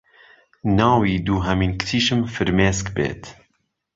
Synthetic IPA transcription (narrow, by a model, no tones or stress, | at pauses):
nɑːwiːd̪uːɦɐmiːnkʰt̪ʰiːʃɨmfɨɾmeːskbḛːt̪ʰ